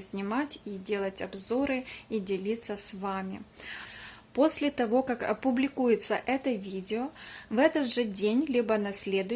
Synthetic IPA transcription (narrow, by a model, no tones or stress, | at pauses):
sʲnʲɪmatʲidʲe̞lˠətʲɐbzoɾɨidʲɪlʲit̪sːəsvamʲɪ | po̞sʲlʲɪt̪ɐvo̞kakɐ̰pʊblʲɪkujɪt̪səʔɛt̪əvʲidʲɪovɛt̪ət̪ʐɨdʲenʲlʲibənɐsʲlʲe̞d̪ʊ